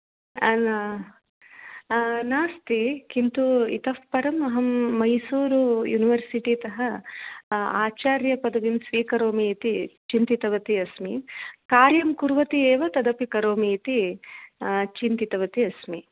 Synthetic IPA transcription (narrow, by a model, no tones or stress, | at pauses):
ɐnː | naːst̪ikint̪uḭt̪ɐʋpɐɾɐmɐɦɐmːɐjsuːɾujuniʋɐɾsiʈit̪ɐɦɐ | aːt͡ʃaːɾjɐpɐd̪ɐʋimsʋiːkɐɾoːmit̪it͡ʃint̪it̪ɐʋɐt̪iɐsmikaːɾjɐmkuɾʋɐt̪ieːʋɐt̪ɐd̪ɐpikɐɾoːmiːt̪i | t͡ʃint̪it̪ɐʋɐt̪iɐsmi